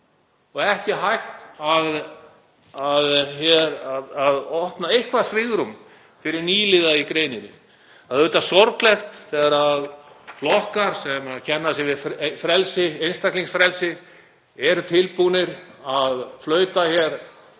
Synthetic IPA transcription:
ɔɣɛhcɪɦajxt̪að | aðçɛɾaðaðɔhpnaejhkvasvɪɣɾʏm | fɪɾɪɾniːlɪɣaikɾeːjnɪnɪ̰ | aðʏːt̪asɔɾklɛxt̪θɛɣaɾaðflɔhkaɾ̥sɛmacʰɛnːasɪvɪðffɾɛlsɪejnst̪akliŋsfɾɛlsɪ | ɛɾʏt̪ʰɪlpunɪɾaðflœːɥt̪açɛɾ

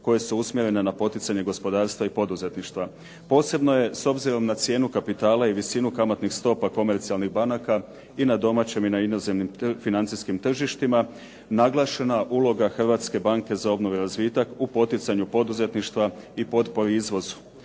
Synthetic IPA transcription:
ko̞je̞suusmjeɾe̞nenapo̞t̪it̪saɲe̞ɡo̞spo̞d̪aːɾst̪ʋaipo̞d̪uze̞t̪niʃt̪ʋa | po̞ːse̞bno̞je̞so̞bziɾo̞mnat̪sje̞ːnukapit̪aːlaiʋisinukamat̪nixst̪o̞ːpako̞me̞ɾt̪sialˠniɣbanaka | inad̪o̞mat͡ɕe̞minainoze̞mnimfinant̪siskimt̪r̩ʒiʃt̪ima | naɡlˠaʃe̞naʔuːlˠo̞ɡaxr̩ʋat̪ske̞baŋke̞zao̞bno̞ʋeɾazʋiːt̪akupo̞t̪it̪saɲupo̞d̪uze̞t̪niʃt̪ʋaipo̞d̪po̞ɾiizʋo̞zu̥

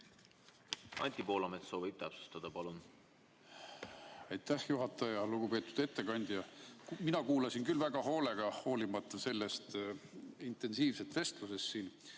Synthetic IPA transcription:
ɑ̰nʲt̪ʲipo̞ːlɑmet̪so̞ːvib̚t̪æpsu̥st̪ɑd̪̥ɑpɑlun | ɑjt̪ˑːæhjuɦɑt̪ːˑɑjɑluɡ̥upe̞ːt̪ːˑud̪̥e̞t̪ːe̞kɑnʲd̪̥jɑminɑkuːlɑsinkylvæɡ̥ɑɦo̞ːle̞ɡ̥ɑho̞ːlimɑt̪ːˑɑse̞lːe̞st̪ | int̪e̞nsiːvse̞t̪ve̞st̪luse̞st̪siːn

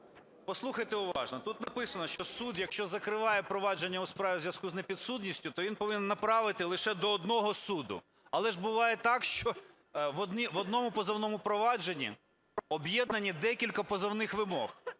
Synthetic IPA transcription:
pɔslˠuxɐjt̪eʊʋɑ̰ʒnɔt̪ut̪nɐpɪsɐnɔʃt͡ʃɔsud̪jɐkʃt͡ʃɔzɐkɾɪʋɑjɛpɾɔʋɑd͡ʒenʲːɐuspɾɑʋʲizʲʋjɐskuznepʲid̪sut̪ʲnʲisʲtʲʊt̪ɔʋʲinpɔʋɪnʲɛnːɐpɾɑʋɪt̪ɪlˠɪʃɛd̪ɔːd̪nɔɦɔsud̪ʊ̰ | ɐlˠɛʒbʊʋɑjɛt̪ɑkʃt͡ʃɔ | ʋɔd̪niʋɔd̪nɔmʊpɔzɐwnɔmʊpɾɔʋɑd͡ʒenʲːḭ | ɔbjɛd̪nɐnʲid̪ɛkʲilʲkɐpɔzɐwnɪxʋɪmɔx

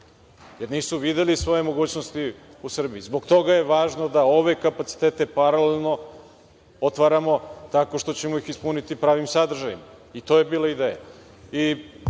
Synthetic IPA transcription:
je̞ɾniːsuʋid̪e̞lisʋo̞jemo̞ɡuːt͡ɕno̞st̪iusr̩biizbo̞ɡt̪o̞ɡaje̞ʋaːʒno̞d̪ao̞ʋe̞kapat̪si̥t̪eːt̪e̞paɾalelno̞ | ot̪ʋaɾamo̞t̪ako̞ʃt̪o̞t͡ɕemo̞ixispunit̪ipɾaːʋimsad̪r̩ʒajimit̪o̞je̞biːlˠaid̪eːja̰ | i

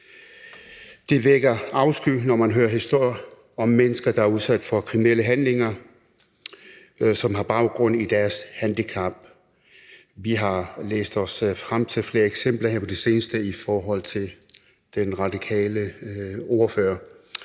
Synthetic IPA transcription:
d̥e̝ʋeɡ̥ɐɑ̈ʊsɡ̥yːnɒmænɦøːɐɦisd̥o̝ɐ̰jɐ | ɒ̽mːenəsɡ̥ɐd̥ɑ̈æɐuð̞ˠsæd̥fɒ̽kʰʁimineləɦænle̝ŋɐ | sɒ̽mɦɑ̈b̥ɑ̈ʊɡ̥ʁɔ̽n̰id̥æɐshænd̥ikʰɑ̈b̥ | ʋiɦɑ̈lḛːsd̥ɒ̽sfʁam̰t͡sʰe̝lfle̝ːɐeɡ̥sem̰b̥lɐɦheɐpʰɒd̥e̝se̝ːnəsd̥əifɒːɦɒ̽l̰t͡sʰe̝l | d̥enʁɑ̈d̥ikʰɛ̰ːləɔːɐfø̰ːɐ

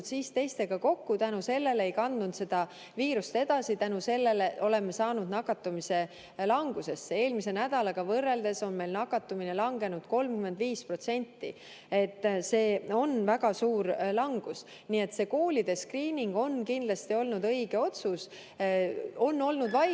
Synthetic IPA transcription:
d̪siːst̪e̞jst̪e̞ɡ̥ɑko̞kːut̪ænuse̞lːe̞le̞jkɑnd̪nunt̪se̞d̪̥ɑ | viːɾust̪e̞d̪̥ɑsit̪ænuse̞lːe̞leʔo̞le̞mːesɑːnud̪nɑkːˑɑt̪ːumise̞ | lɑŋɡ̥use̞sːee̞ːlmise̞næd̪̥ɑlɑɡ̥ɑvɤrːe̞ld̪e̞sonme̞jlnɑkːˑɑt̪ːumine̞lɑŋɡ̥e̞nud̪̥ko̞lmkyme̞nd̪viːspro̞t̪se̞nʲt̪ːḭ | et̪ːse̞ːo̞nvæɡɑsuːɾlɑŋɡ̥us | niːe̞t̪se̞ːko̞ːlid̪̥e̞skriːnʲiŋɡ̥o̞nkind̪̥lɑst̪io̞lnud̪ɤ̞iɡ̥e̞o̞t̪sus | o̞nːo̞lnud̪vɑ

